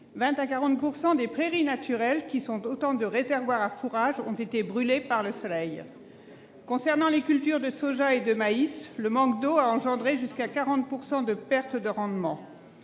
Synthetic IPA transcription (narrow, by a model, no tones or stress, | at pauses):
vɛ̃t̪akaʁɑ̃t̪̚puʁsɑ̃d̪epχeʁinat̪ʰyʁɛlkʲisɔ̃t̪ot̪ɑ̃d̪əʁezɛʁvwaʁafuʁaʒɔ̰̃t̪et̪ebʁylepaʁləsɔlɛj | kɔ̃sɛʁnɑ̃lekʲylt̪yʁd̪əsoʒaed̪əmaisləmɑ̃kd̪oaɑ̃ʒɑ̃d̪ʁeʒyskakaʁɑ̃t̪̚puʁsɑ̃d̪əpɛʁt̪d̪əʁɑ̃d̪mɑ̃